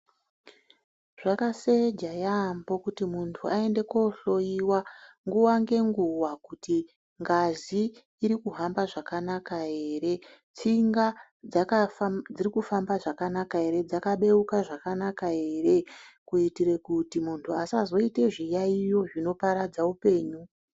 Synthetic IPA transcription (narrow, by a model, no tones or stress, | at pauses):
ʐ̥akased͡ʒajambo̞kutimuntʰuae̞nde̞ko̞ɬo̞jiwaŋɡuwaŋɡe̞ŋɡuwakuti | ŋɡaziː | ɾikuɦambaʐakanakae̞ːre̞ | t͡siŋɡa | d͡zakad͡zirikufambaʐakanakaɦe̞ɾe̞d͡zakaɓe̞ukaʐakanakae̞ːre̞kuitiɾekutimuntʰuasazo̞ite̞ʐijaijo̞ʐino̞paɾad͡zaupe̞ːɲu